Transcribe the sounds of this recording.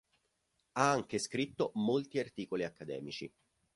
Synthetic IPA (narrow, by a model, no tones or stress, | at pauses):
aaŋk̟eskɾit̪ːomolt̪iart̪iːkoliakːad̪ɛ̰ːmit͡ʃi